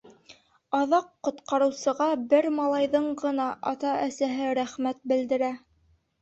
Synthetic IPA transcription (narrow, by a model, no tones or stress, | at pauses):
ɑðɑqːŏt̪qɑɾɤ̆wsɤ̆ʁɑbɘɾmɑlˠɑjðɤɴɢɤ̆nɑʔɑt̪ɑæsæɦɘɾæχmæt̪̚bɘ̆ld̪ɘ̆ɾæ